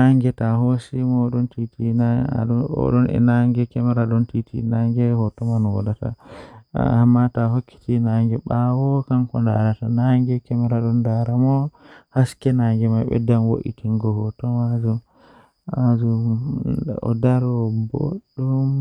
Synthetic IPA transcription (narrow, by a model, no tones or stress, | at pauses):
naŋɡɛtaɦosimɔɗɔntitia̰ɔ̰ɗɔnɛ̰naŋɡɛkɛmɛɾaɗɔntitḭnaŋɡɛhɔtɔmanwa̰data̰ | amːatahokːi̥tinaŋɡɛɓawɔkankɔndaɾatanaŋɡɛkɛmɛɾaɗɔndaɾamɔhaskɛnaŋɡɛmajɓɛ̰danwo̰ʔḭtʰiŋɡɔhɔtɔmazu | azu | ɔ̰daɾɔbo̰ɗːum